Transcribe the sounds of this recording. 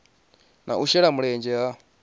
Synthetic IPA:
nʔa̰uʃɛɺamuɺɛnd͡ʒɛwa

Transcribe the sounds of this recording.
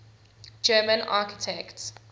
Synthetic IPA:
d͡ʒɜːmə̃na̰kitʰɛkt

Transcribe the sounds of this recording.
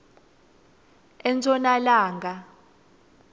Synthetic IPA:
ɛnt͡sʼɔnalaːŋɡa

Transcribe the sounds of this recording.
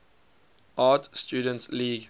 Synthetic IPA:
aːtstjuːdə̃ntliːɡ

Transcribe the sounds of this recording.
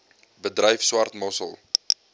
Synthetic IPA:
bədrɛjfswɐrt̪mɔsə̰lˠ

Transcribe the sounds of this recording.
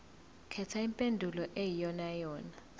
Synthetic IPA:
kʰɛtʰaimpʼendʱulɔʔejijɔnajɔːna

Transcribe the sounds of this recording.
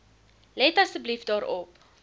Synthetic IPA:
lɛtɐsəblifdɑːɾɔp

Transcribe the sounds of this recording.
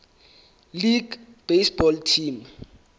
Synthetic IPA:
liɡb̥esbɔltʰiːm

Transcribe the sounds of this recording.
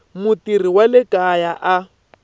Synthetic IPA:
mʊtiriwalɪkʼajaʔa

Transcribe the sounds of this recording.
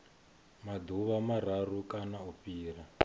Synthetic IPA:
mad̪uβamararukanaupiːra

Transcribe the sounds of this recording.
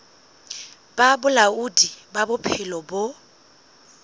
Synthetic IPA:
b̥abʊlaudibabʊpʰɪlɔbʊ

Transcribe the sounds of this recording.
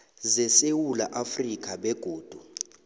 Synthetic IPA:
zɛsewulaʔafrik̬ʰʼaɓɛɡ̥ʱoːd̥ʱu

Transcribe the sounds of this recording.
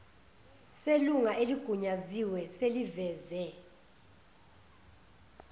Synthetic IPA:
seluŋaʔeliɡ̥ʱuɲaziwɛselivɛːzɛ

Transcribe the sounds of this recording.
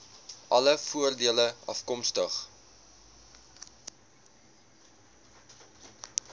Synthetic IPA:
ʔɐləfuərdiələʔɐ̰fkɔmstəχ

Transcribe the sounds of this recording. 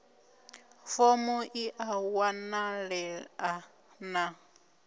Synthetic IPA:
fɔmɔʔiʔawanaɺɛa | na

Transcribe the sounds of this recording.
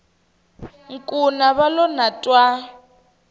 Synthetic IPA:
ŋ̩kʼunaβalɔnatʼwa

